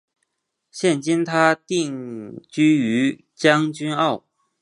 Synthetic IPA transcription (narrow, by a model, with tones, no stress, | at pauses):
ɕjɛ˥˨nt͡ɕi˥nt̪ʰa˥t̪i˥˩ŋt͡ɕy˥y˧˥ | t͡ɕjɑ˥ŋt͡ɕy˥nɑ˥˩ʊ